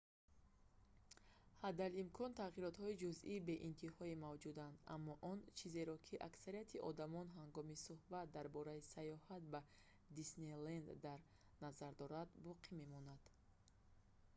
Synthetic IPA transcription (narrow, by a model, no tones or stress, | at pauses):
had̪alimkʰɔnt̪ʰaɣiɾɔt̪hɔid͡ʒuziːbe̞ʔint̪ʰihɔimavd͡ʒud̪and̪a̰mːɔʔɔnt͡ʃʰize̞ɾɔkʰiʔaksaɾijat̪ʰiʔɔd̪amɔnɦaŋɡɔmisuhbat̪̚d̪aɾbɔɾaisajɔhat̪̚ba | d̪isnelend̪ːaɾ | nazaɾd̪ɔɾad̪bɔqʰime̞mɔnad̪̥